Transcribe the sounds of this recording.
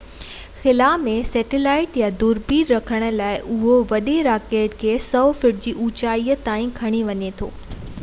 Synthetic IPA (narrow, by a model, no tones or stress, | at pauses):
xɪlaːmẽsɛːʈɪlaːɪʈjad̪uːɾpiːɾːɐkʰəɽ̃ə̆laːɪʔʊɦoʋɐɗeɾaːkeːʈkʰeːsɐfɪʈ̚d͡ʑiːʔuːt͡ɕaːiːət̪aːĩkʰɐɽ̃iʋɐɲet̪ʰo̰ː